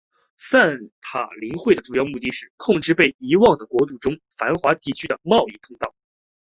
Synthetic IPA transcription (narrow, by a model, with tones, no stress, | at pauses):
sa˥˩nt̪ʰa̰˨˩li˧˥ŋxwe˥˩ɪd̪ə˩ʈ͡ʂu˨˩jɑ˥˧ʊmu˥˧t̪i˥˧ʂɻ̩˥˩kʰʊ˥˧ŋʈ͡ʂɻ̩˥˧pe˥˩ɪi˧˥wɑ˥˩ŋd̪ə˩kwɔ˧˥t̪u˥˩ʈ͡ʂʊ˥ŋfa˧˥nxwa˧˥t̪i˥˩t͡ɕʰy˥d̪ə˨mɑ˥˧ʊi˥˧t̪ʰʊ˥˧ŋt̪ɑ˥˩ʊ